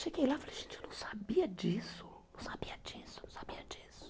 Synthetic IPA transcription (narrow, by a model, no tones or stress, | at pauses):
ʃeɡejlafaleʒẽnt͡ʃonɐ̃w̃sabiɐd͡ʒisʊ̥nɐ̃w̃sabiɐd͡ʒisʊnɐ̃w̃sabiɐd͡ʒisʊ̥